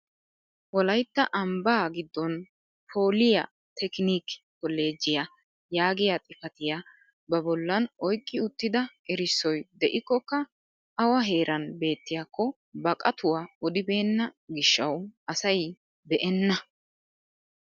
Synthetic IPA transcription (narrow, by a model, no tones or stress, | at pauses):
wɔlɐjt̪ːɐʔɐmbaːɡɪd̪ːɔn | pʰo̞ːlɪjɐ | t̪ʰɛkniːkkɔlːe̞ːd͡ʒːɪja | jaːɡɪjat̪ʼɪfɐt̪ɪja | bɐbɔlːɐnɔjkʼːɪʊt̪ːɪd̪ɐʔɛɾɪsːɔjd̪ɛʔɪkːɔkːɐ | ʔɐwɐɦe̞ːɾʔɐnbe̞ːt̪ːɪjakʰːɔ | bɐkʼɐt̪ʊwaɔd̪ɪbe̞ːnːɐɡɪʃːɐwɐsɐj | bɛʔɛnːɐ